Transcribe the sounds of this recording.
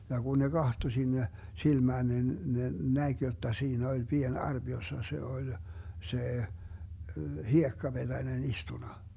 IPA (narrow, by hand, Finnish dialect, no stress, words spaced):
jɑ ɡ̊un ne ɡ̊ɑhto sinːe silmæːn nin ne næɡ̊ jotːɑ siːnæ olʲ pien ɑrb̥ josːɑ se olʲ se hiekːɑb̥ed̥ænen istunɑ